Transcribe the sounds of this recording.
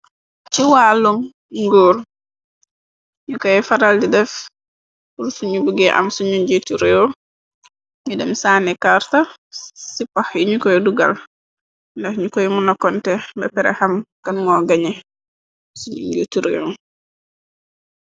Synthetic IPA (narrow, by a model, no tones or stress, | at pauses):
t͡ʃiwaːlum | ŋɡuːɾ | ɲukɔjɛfaɾaldidɛf | uɾsuɲubuɡɛʔa̰msuɲuɲɟituɾeo | ɲudɛmsaːnɛkaɾtasipahjiɲukɔjɛduɡa̰l | ndahɲukɔjmunɔkːɔntɛbɛpɛɾɛ̰hamkɐnmɔɡaɲe | suɲṵɲɟutuɾḛo